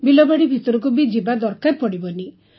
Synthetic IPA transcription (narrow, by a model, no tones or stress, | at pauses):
bilɔbaɽibʱit̪ɔɾɔk̬ubid͡ʒibad̪ɔɾkaɾpɔɽibɔni